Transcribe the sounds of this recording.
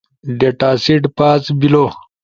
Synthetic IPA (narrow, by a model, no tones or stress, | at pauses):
ɖeʈaːsiʈpaːsbilo